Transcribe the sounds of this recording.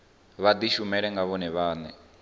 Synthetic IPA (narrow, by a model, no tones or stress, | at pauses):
βad̪iʃumɛɺɛŋɡaβɔnɛβaːnɛ